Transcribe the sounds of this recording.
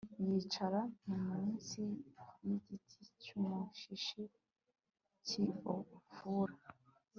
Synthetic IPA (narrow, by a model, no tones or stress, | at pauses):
jit͡ʃaɾamumunsikumiɡitʰit͡ʃumuʃiʃi | t͡ʃiofuɾa